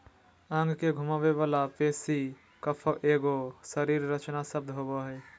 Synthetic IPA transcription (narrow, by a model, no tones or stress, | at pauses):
ə̃ŋɡkeɡʱʊmaːʋeʋalapeːsi | kəpʰoʔeːɡosəɾiːɾːət͡ʃnasəb̚d̪ɦoːboɦɛː